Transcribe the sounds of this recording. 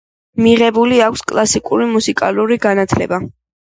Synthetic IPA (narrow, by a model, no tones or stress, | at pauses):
miʁɛbuliakʰʷskʼlˠasikʼuɾimusikʼa̰luɾiɡanat̪ʰlɛ̰ba